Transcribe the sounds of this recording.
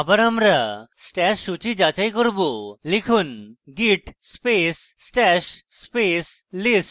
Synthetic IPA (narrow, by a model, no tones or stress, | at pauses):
abaɾamɾasʈɛʃːut͡ʃid͡ʒat͡ʃajkoɾbolekʰunɡiʈspes | sʈɛʃspes | lisʈ